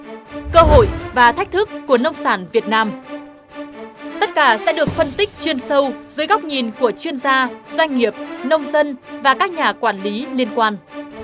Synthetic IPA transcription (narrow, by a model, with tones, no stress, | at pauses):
kəː˧ɦo̰˧˨jvaː˨˩t̪ʰk̟̚t̪ʰɨ˦˥kːu˧˩ənə˧wŋ͡msaː˧˩nvi˨˩ət̚naː˧m | t̪ə˦˥t̚kaː˧˩sɛ̰˧˥ɗɨ˨˩ək̚fə˧nt̪ï˦˥k̟̚t͡ɕwi˧ənsə˧wzoː˨˦jɣa˦˥wk͡p̚ɲi˨˩nku˧˩ət͡ɕwi˧ənzaː˧z̥wa˧jŋ̟ŋi˨˩əp̚nə˧wŋ͡mzə˧nvaː˨˩kaː˦˥k̚ɲaː˨˩kwaː˧˩nli˨˦li˧ənkwaː˧n